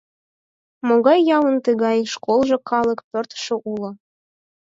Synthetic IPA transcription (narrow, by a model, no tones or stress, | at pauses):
moɣɑjːɑwə̆nt̪əɣɑjʃkolˠʒɤ̆kʰɑlˠɤ̆kpørt̪ʃɤ̆ʔulˠɤ̆